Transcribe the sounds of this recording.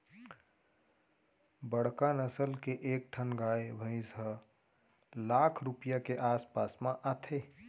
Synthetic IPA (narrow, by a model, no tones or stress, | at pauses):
bəɽ̤kanəsəlkeʔeːk̚ʈʰənɡaːebʱə̃ɪ̃zə | laːkʰɾupijakeʔaːspaːsmãʔat̪ʰe